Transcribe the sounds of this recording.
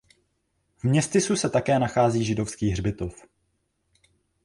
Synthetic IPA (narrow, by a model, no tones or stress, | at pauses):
vmɲɛst̪ɪsusɛt̪akɛːnaxaːziːʒɪdo̞fskiːɦrbɪt̪o̞f